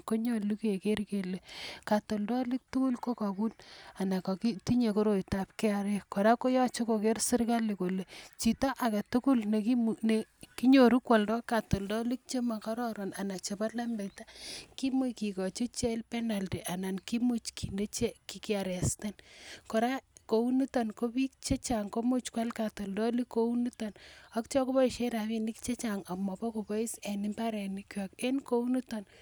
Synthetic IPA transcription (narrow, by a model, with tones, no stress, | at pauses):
ko˦ɲo˦lu˦ke˨ke˦ɾke˨le˨ka˨to˨ldɔ˦li˦k̚tu˦ku˦lko˦ka˨ku˦na˨na˨kɔ˨ki˦ti˦ɲe˨ko˦ɾo˨jta˨p̚ke˦a˨ɾe˦kːo˨ɾa˦ko˦jɔ˦t͡ʃo˦ko˨ke˦rsɪ˦rka˦li˨ko˨le˨t͡ʃi˨tɔ˦ʔa˨ka˨tu˦ku˦lne˨ki˦neki˦ɲo˨ɾu˦kwɔ˨ldɔ˦ka˨to˨ldɔ˦li˦k̚t͡ʃe˦ma˨ka˦ɾɔ˦ɾo˨na˨na˨k̚t͡ʃe˨pa˦tla˦mbe˨ta˦ki˦mu˦jki˨kɔ˨t͡ʃo˦t͡ʃe˦lpe˦na˨lti˨ʔa˨na˨nki˦mu˦t͡ʃkʰi˨nde˦t͡ʃe˦ki˨ki˦a˨ɾɛ˨ste˦nkɔ˨ɾa˦ko˦u˦nu˦to˨nko˦pi˦kt͡ʃe˦t͡ʃaŋko˦mu˦t͡ʃkwa˦lka˨to˨ldɔ˦li˦kːo˦u˦nu˦to˨nɔ˦kt͡ʃɔ˦ko˦bɔ˦i˨ʃe˦ɾa˨βi˦ni˦kt͡ʃe˦t͡ʃa˨ŋa˨mːɔ˨pɔ˦ko˨bɔ˦i˦se˨ni˦mba˦ɾɛ˨ni˦kjɔke˦nko˦u˦nu˦tɔ˨n